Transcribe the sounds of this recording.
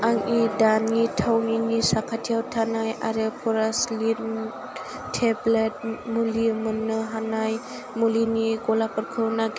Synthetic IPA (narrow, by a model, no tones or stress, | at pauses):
aŋidanitʰawninisakʰatʰijawtʰanajaɾepʰɔɾaslit̚ | tʰeblet̚mulimunːɯɦanaj | mulinikɔlapɯɾkʰɯwnaɡ